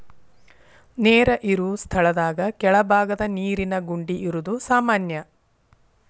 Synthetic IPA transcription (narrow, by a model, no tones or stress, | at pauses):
neːɾɐʔiɾuːst̪ʰɐɭɐd̪aːɡɐkɛɭɐbʱaːɡɐd̪ɐniːɾinɐɡuɳɖiʔiɾud̪usaːmaːnjɐ